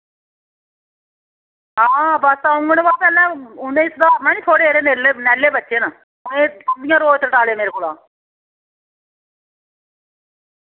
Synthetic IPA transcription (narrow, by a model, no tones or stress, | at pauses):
aːbəsaːʊ̃ŋɡənːʋaːpɛːlɛ̃ːʊnẽːsd̪aːmɛ̃ːniːt̪ʰoːɽeːeːɾeːneːleːnɛːlːeːbətːʃeːna | ʊnẽːt̪ənd̪ɪjãːɾoːt̪əʈaːleːmeːɾeːkoːla̰ː